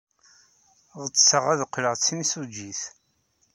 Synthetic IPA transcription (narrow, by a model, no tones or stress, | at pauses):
ʁət͡sːsəʁæðqːləʁt͡sːinisud͡ʒiθ